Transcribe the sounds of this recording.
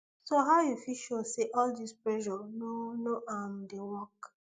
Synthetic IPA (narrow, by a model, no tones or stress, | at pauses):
soɦaʊjufiʃɔseʔɔldispɹɛʒɔnonoʔam̩dewɔk